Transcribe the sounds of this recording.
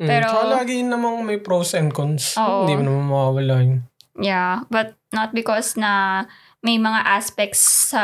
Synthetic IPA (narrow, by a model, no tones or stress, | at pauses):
pɛːɾoɐlaːɡɪnɐmaŋmɐjpɾowsɛnkɔnsoːɪʔʔõnd̪iːmɐnɐmanmɐwaːwɐlaːɪnjabɐt̪̚nɐt̪̚bɪkɔsnɐ | mɐjmɐŋaʔaspɛk̚t̪sːɐ